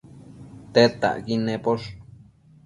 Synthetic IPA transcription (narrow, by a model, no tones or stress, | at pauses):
t̪et̪a̰ʔkinẽpoʂ